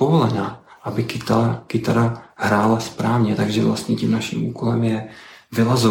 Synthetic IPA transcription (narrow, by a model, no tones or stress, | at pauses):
ovolɛnaːʔabɪkɪt̪akɪt̪aɾahɾaːlaspɾaːvɲɛt̪aɡʒɛvla̰st̪ɲɛcimnaʃḭːmuːkolɛmjɛvɪlazo